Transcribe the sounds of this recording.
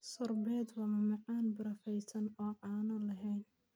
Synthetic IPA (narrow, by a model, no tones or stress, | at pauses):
sɔrbɛːd̪wɑːmɐmɑqɑːnbɪɾɐfɛjsɐnɔːʕɑːnɔlɐɦɛjn